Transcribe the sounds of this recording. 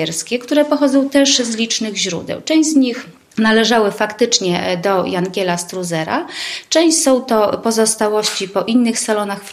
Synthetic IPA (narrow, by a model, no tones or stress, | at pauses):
ɛɾskʲɛkt̪uɾɛpɔxɔd̪zɔ̃w̃t̪ɛʂzlʲit͡ʂnɘɣʑɾṵd̪ɛ̰wt͡ʂɛ̃w̃ʑzɲix | nalɛʐawɘfakt̪ɘt͡ʂɲɛd̪ɔjaŋɡʲɛlast̪ɾuzɛɾa̰t͡ʂɛ̃w̃ɕsɔ̃w̃t̪ɔpɔzɔst̪awɔɕt͡ɕipɔʔinːɘxsalɔnaxf